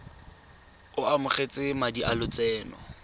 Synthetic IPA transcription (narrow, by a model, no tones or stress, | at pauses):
ʊamʊχet͡sʼɪmadiʔalʊt͡sɛːnɔ̰